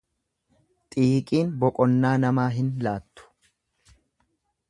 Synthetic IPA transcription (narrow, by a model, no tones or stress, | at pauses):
t̪ʼiːkʼiːnbɔkʼɔnːaːnɐmaːɦɪnlaːt̪ːʊ̥